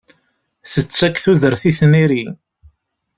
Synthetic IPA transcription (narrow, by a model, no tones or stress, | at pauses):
θət͡sːækːθuðəɾθiθniɾi